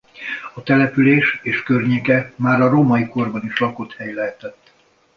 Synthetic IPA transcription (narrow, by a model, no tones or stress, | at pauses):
ɒt̪ɛlɛpyleːʃeːʃkørɲeːkɛmaːɾɒɾomɒjiko̞rbɒniʃlɒko̞t̪hɛjlɛɦɛt̪ɛt̪ː